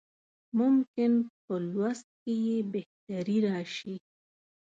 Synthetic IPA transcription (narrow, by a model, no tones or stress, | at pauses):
mʊmkɪnpəlwast̪̚kejebeht̪aɾiɾɑʃi